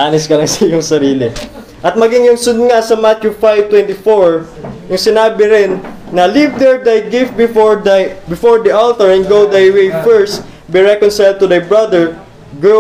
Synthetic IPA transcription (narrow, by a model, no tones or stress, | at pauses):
ʔaːnɪskɐlɐŋsɐjʊŋsɐɾiːlɪ | ʔɐt̪̚mɐɡɪŋjʊŋsʊd̪̚ŋasɐmat̪jufajv̚t̪wɛ̃nt̪ɪfoɹ | jʊŋsɪnaːbɪɾɪnːɐlivd̪ɛɹd̪ajɡɪft̪̚bɪ | bɪfɔɹd̪ɐʔalt̪ɔɹɛ̃nɡowd̪ajwɛjfɛɹst̪ | biɹɛkonsajld̪̚t̪ʊd̪ajbɹɐd̪ɛɹ | ɡɛ